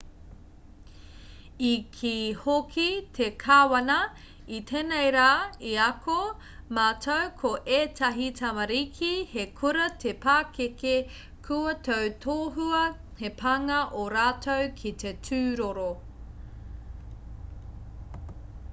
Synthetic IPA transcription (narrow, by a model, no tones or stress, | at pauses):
ikʰihokʰitʰekʰaːwɐnɐ | itʰeːnejɾaːiɐkʰo | maːtʰowkʰoʔeːtʰɐɦitʰɐmɐɾikʰihekʰuɾɐtʰepaːkeke | kʰuɐtʰowtʰoːɦuɐ | hepʰɐŋɐʔoɾaːtʰowkʰit̪etʰʉːɾoɾo